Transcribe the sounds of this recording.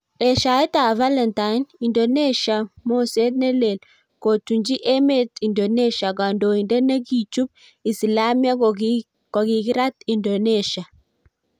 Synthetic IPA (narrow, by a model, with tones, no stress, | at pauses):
e˨ʃa˨i˦ta˨va˦le˨nta˨jni˨ndo˨ne˦ʃa˨mo˦se˦t̪̚ne˦le˨l | ko˨tu˨nd͡ʒi˦ʔe˦me˦˨ti˨ndo˨ne˦ʃa˨ɡa˨ndo˨i˨nde˦ne˦ɡi˨t͡ʃu˦b̚ | i˨si˨la˦mia˦ | ko˨ɡi˨ɡi˦ɾa˦t̪i˨ndo˨ne˦ʃa˨